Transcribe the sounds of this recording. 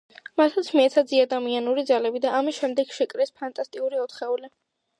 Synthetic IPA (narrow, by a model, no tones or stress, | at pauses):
mat̪at̪sʰmiɛt̪sʰad̪ziad̪amianuɾid̪zalɛbid̪aːmisʃɛmd̪ɛɡʃɛkʼɾɛspʰant̪ʼast̪ʼiuɾiɔt̪χɛuli